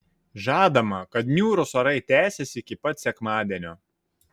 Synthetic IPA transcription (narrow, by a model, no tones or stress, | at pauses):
ʒɑːd̪ɐmɐkɐt̪nʲuːɾʊsɐɾɐɪt̪ʲæːsʲɛsʲɪɪkʲɪpɐt̪sʲɛkmɑːd̪ʲiɛnʲoː